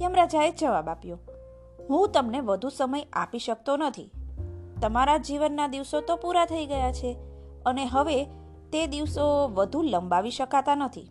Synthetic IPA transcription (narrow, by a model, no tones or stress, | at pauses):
əmɾad͡ʒaet̪d͡ʒəʋabapjo | ɦũt̪əmneʋəd̪ʱusəməja̰piʃək̚t̪onət̪ʰḭt̪əmaɾad͡ʒiʋənːad̪iʋsot̪opuɾat̪ʰəiɡəjat͡ʃʰe | əneɦəʋe | t̪ed̪iʋsoʋəd̪ʱuləmbaʋiʃəkat̪anət̪ʰḭ